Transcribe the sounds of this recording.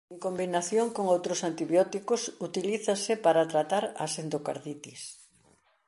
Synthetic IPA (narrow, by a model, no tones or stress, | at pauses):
eŋkombinaθjoŋkoŋowt̪ɾʊsant̪iβjɔt̪ikʊsut̪iliθɐsɪpaɾat̪ɾat̪aɾɐ̰send̪oka̰ɾðit̪is